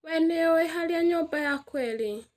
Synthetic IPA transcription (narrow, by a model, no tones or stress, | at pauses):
wɛneoeɦaljaɲɔbajakwɛle